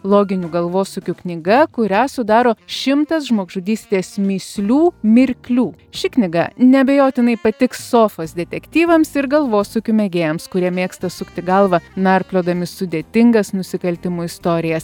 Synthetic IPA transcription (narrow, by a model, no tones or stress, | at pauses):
lˠoːɡʲɪnʲuːɡɐlˠʋoːsʊkʲuknʲɪɡɐkʊɾʲæːsʊd̪ɑːɾoːʃʲɪmt̪ɐsʒmoːɡʒʊd̪ʲiːsʲt̪ʲeːsmʲiːsʲlʲuːmʲɪɾʲkʲlʲuː | ʃʲɪknʲɪɡɐnʲɛɐbʲɛjoːt̪ʲɪnɐɪpɐt̪ʲɪkssoːfɐsd̪ʲɛt̪ʲɛkt̪ʲiːʋɐmsɪɾɡɐlˠʋoːsʊkʲʊmʲɛɡʲeːjɛmskʊɾʲiɛmʲeːkst̪ɐsʊkt̪ʲɪɡɐlˠʋɐnɐɾʲpʲlʲoːd̪ɐmʲɪsʊd̪ʲeːt̪ʲɪŋɡɐsnʊsʲɪkɐlʲt̪ʲɪmuːɪst̪oːɾʲɪjɛs